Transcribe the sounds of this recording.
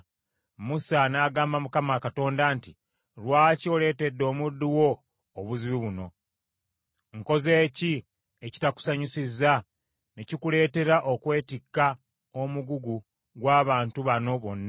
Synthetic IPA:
musanaːɡaːmbamukamakato̞ːndanti | lwaːco̞ːle̞ːte̞dːo̞ːmudːiwo̞ː | βuziβiβuno̞ | ŋko̞ze̞ːci | eci̥taku̥saɲusizːa | necikule̞ːte̞ɾaʔokwe̞ːtikːa | omuɡuɡu | ɡwaːβaːntuβano̞βo̞nːa

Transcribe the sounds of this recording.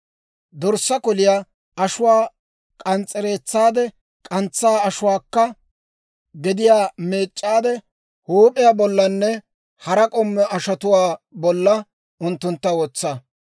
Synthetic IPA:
d̪ɔɾsːɐkɔlɪjaː | ɐʃʊwaː | kʼɐnt͡sʼɛɾe̞ːt͡sːaːd̪ɛ | kʼɐnt͡sːaːɐʃʊwaːkːɐ | ɡɪd̪ɪjaːme̞ːt͡ʃʼːaːd̪ɛ | huːpʼɪjaːbɔlːɐnːɛ | hɐɾɐkʼɔmːɛʔɐʃɐt̪ʊwaːbɔlːɐ | ʊnt̪ːʊnt̪ːɐwɔt͡sːɐ

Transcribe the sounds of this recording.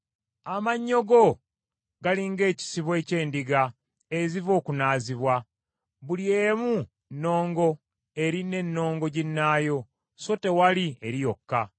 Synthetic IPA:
amaɲːo̞ɡo̞ | ɡaliŋɡe̞ːci̥siβwe̞ːce̞ːndiɡa | ezivo̞ːkunaːziβwa | βulieːmu | nːo̞ːŋɡo̞ | e̞ɾine̞nːo̞ːŋɡo̞ɟinːaːjo̞ | so̞te̞walie̞ɾijo̞kːa

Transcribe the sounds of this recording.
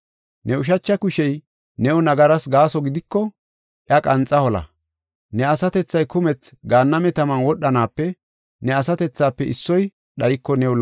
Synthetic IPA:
nɛʊʃ̬ɐt͡ʃːɐkʊʃɛj | nɛʊnɐɡɐɾɐsɡaːsɔɡɪd̪ɪkːɔ | ʔjɐkʼɐnt͡sʼːɐhɔlɐ̰ | nɛɐsɐt̪ɛt͡sːɐjkʊmɛt͡sɡaːnːɐmɛt̪ɐmɐnwɔɗːɐnaːpːɛ | nɛɐsɐt̪ɛt͡sːaːpːɛʔɪsːɔj | ɗɐjɪkːɔnɛwʊl

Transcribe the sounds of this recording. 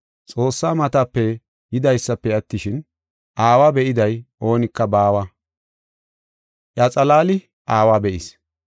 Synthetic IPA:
t͡sʼo̞ːsːaːmɐt̪ɐpːɛ | jɪd̪ɐjsːɐpːɛɐt̪ːɪʃɪn | ʔaːwaːbɛʔɪd̪ɐjʔo̞ːnɪkːɐbaːwɐ | ʔɐt͡sʼɐlaːlɪ | ʔaːwaːbɛʔɪs

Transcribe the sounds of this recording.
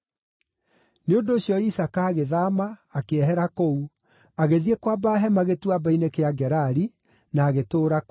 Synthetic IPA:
neondoːɕjɔisakaːɣeðamaːkeɛɦɛɾakou | aɣeðiekwabaɦɛmaɣetuabainekeaɡɛɾaɾi | naːɣetoːɾak

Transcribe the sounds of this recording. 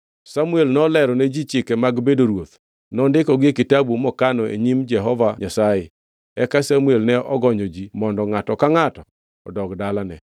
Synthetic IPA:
samuelnɔlɛɾɔnɛd͡ʒit͡ʃɪkɛmaɡbedoɾwot̪ | nɔndɪkɔɡɪkɪtabumɔkanɔḛɲimd͡ʒɛɦɔvaɲasajɪ | ɛkasamuelnɛʔɔɡɔɲɔd͡ʒimɔndɔŋatɔkaŋatɔ | ɔ̰dɔkdalanɛ

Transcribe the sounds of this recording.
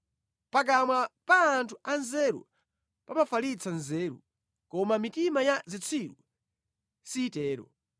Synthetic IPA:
pak̬amwapaːntʰuanzɛɾṵ | pamafalit͡sʰanzɛːɾṵ | kɔmamitimajazit͡sʰiɾṵ | sitɛːɾɔ̰

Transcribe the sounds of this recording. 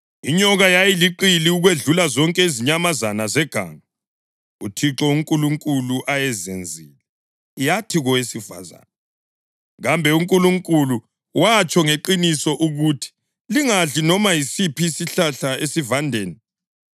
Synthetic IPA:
iɲɔɣajajiliǃiliuɣweɮulazɔŋkʼɛiziɲamazanazɛɡ̥ʱa̰ŋa | utʰiǁɔuŋkʼuluŋkʼuluʔajɛzend͡zʱiːlɛ | jatʰiɣɔwesifa̰za̰na | ɣambʱɛuŋkʼuluŋkʼulu | wat͡ʃʼɔŋeǃinisɔʔuɣutʰi̥ | liŋaɮinɔmajisipʰiːsiɬaɬaesivandʱeːni

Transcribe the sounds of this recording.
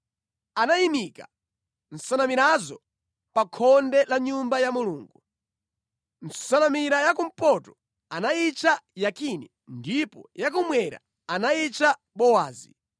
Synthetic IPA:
anaimika | n̩sanamiɾazɔ | pakʰɔndɛlaɲumbajamuluːŋɡu | n̩sanamiɾajakum̩pɔtɔ̥ | anait͡ʃajakinɛ | ndipɔjak̬umwɛɾa̰ | anait͡ʃa | ɓɔwaːzi

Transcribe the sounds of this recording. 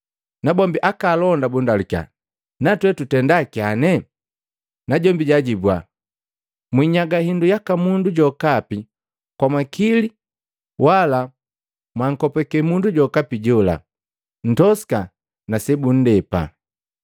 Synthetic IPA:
nabɔmbiʔakalɔndabundalukja̰ | natwɛtutɛndakianɛ | naɟɔmbiɟaɟibwa | mwiɲaɡahindujakamunduɟɔkapi | kwamakili | wala | mwaŋ̩kɔpɛkɛmunduɟɔkapiɟɔla̰ | n̩tɔsi̥ka | nasɛbun̩dɛpa̰

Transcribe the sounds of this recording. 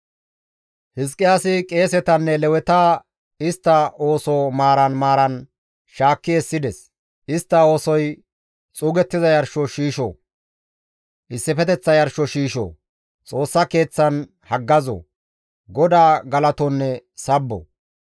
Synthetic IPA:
hɪs̬kʼːɪjaːsɪkʼe̞ːsɛt̪ɐnːɛlɛwɛt̪aː | ɪst̪ːɐo̞ːsɔmaːɾɐnmaːɾɐn | ʃaːkːɪɛsːɪd̪ɛs | ɪst̪ːɐo̞ːsɔj | t͡sʼuːɡɛt̪ːɪzɐjɐɾʃɔʃiːʃɔ̰ | ʔɪsːɪfɛt̪ɛt͡sːɐjɐɾʃɔʃiːʃo̰ː | t͡sʼo̞ːsːɐke̞ːt͡sːɐn | hɐɡːɐzɔ̰ | ɡɔd̪aːɡɐlɐt̪ɔnːɛsɐbːɔ̰

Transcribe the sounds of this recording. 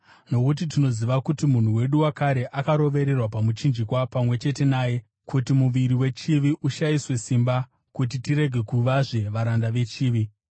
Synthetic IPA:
no̞kut̬it̬ino̞ziʋakutimun̤uwe̞ɗuwakaɾe̞ʔakaɾo̞ʋe̞ɾe̞rwapamut͡ʃind͡ʒikwapamwe̞t͡ʃe̞te̞naːje̞ | kutimuʋiɾiwe̞t͡ʃiʋiʔuʃaiswe̞simba | kut̬itiɾe̞ɡʱe̞kuʋaʐe̞ʋaɾandaʋe̞t͡ʃiːʋi

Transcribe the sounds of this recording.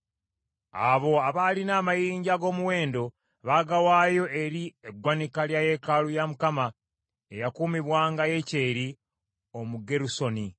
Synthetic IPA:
a̰βo̞aβalinaːmajiːɲɟaɡo̞ːmuwe̞ːndo̞ | βaɡawaːjo̞ʔe̞ɾieɡwanikaljaːje̞kalujamukama | e̞jakuːmiβwaːŋɡaje̞ceːɾi | o̞muɡe̞ɾuso̞ni

